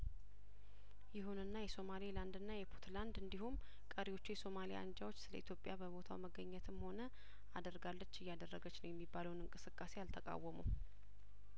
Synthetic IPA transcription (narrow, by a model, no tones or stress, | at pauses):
jɪɦunɨnːajɛso̞maliland̪ɨnːajɛpʰot̪ʰland̪ɨnd̪ihum | kʼəɾiwo̞t͡ʃːujɛso̞malija̰and͡ʒawo̞t͡ʃːsɨlə̰it̪ʰjo̞pʼjabəβo̞t̪ʰa̰wməɡəɲːɛt̪ʰɨmho̞nə | ad̪əɾɡalːət͡ʃːɨjːad̪ərːəɡət͡ʃːnəwjɛmːibːaləwnɨŋkʼɨsɨkʼːase̞jalt̪ʰəkʼa̰wːəmuw